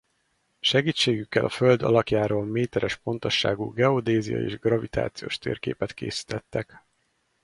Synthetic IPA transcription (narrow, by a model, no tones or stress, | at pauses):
ʃɛɡiːt͡ʃːeːɡykːɛlʔɒføld̪ɒ̰lɒkjaːɾoːlmeːt̪ɛɾɛʃpo̞nt̪o̞ʃːa̰ːɡuːɡɛod̪eːzijɒ̰ḛːʒɡrɒvit̪a̰ːt̪sijo̰ːʃt̪ḛːrkḛːpɛt̪kḛːsi̥t̪ɛt̪ːɛk